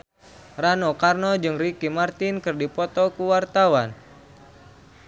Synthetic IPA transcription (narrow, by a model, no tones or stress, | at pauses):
ranɔkarnɔd͡ʒɨŋrikimart̪ɪnkɨrdipɔt̪ɔkuwart̪awan